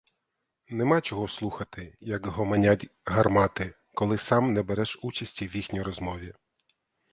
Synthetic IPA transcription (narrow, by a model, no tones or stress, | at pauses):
nɛmɑjt͡ʃɔɦɔslˠuxɐt̪ɪjɐkjɔɦɔmɐnʲadʲɦɐrmɑt̪ɪ | kɔlˠɪsɑmnɛbɛɾɛʃut͡ʃɐsʲtʲiwjixnʲijɾɔzmɔʋʲi